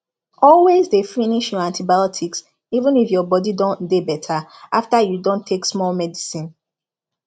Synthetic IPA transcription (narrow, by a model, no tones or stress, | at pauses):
ɔlwezdefiniʃjɔãntʰibajɔtʰiks | ivũnifjɔbɔdidõndebɛtʰaʔaftajudõntʰːeksmɔlmɛdisĩn